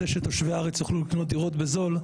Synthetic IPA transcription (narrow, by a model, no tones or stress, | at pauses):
eʃet̪oʃveaaʁet͡sjoχlulikno̞t̚d̪iʁo̞t̪be̞zo̞l